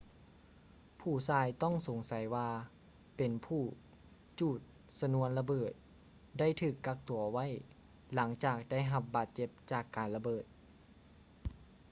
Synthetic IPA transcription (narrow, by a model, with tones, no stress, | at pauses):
pʰuː˧˩saː˧jt̪ɔ˥˩ŋso˨˩˦ŋsa˨˦jwaː˧ | pe˨˩npʰuː˧˩ | t͡ɕuː˧˩t̪̚ | sa˧nu˧˥ənla˧bɤː˨˩t̪̚ | da˥˩jt̪ʰɯː˨˩kːa˧˥k̚t̪u˨˩ɐ˧wa˥˨j | la˩˦ŋt͡ɕaː˨˩k̚da˥˩jɦa˧p̚baː˨˩t̪̚t͡ɕe˧˥p̚t͡ɕaː˨˩kːaː˨˩nla˧bɤː˨˩t̪̚